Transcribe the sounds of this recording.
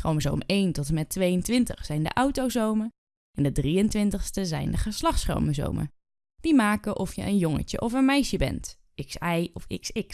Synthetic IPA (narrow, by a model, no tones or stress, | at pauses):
χrowmzo̰wmejntɔtəmɛtʋejəntʋɪntəχsɛjndə̰ʔɑwtowzowmə | ɛndədrijəntʋɪntəχstəzɛ̰jndəχəslɑχtsχro̰wməzo̰wmə̰ | d̥imaːkəʔɔfjə̰ʔənjɔŋə̰cə̰ʔɔfənmɛjʃəbɛ̰nt | ɪksɛjɔfɪ̰ksɪks